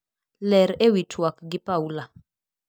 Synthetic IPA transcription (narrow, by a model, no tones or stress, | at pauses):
lɛɾewitʰwakɡɪpaula